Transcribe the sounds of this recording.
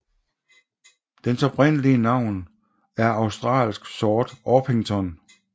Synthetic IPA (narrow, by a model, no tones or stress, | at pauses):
d̥ensɒ̽b̥ʁɛn̰əliənɑ̈ʊ̰n | æɐɑ̈ʊsd̥ʁɑ̰̈ːlsɡ̥sɒːd̥ɒpʰeŋt͡sʰɒn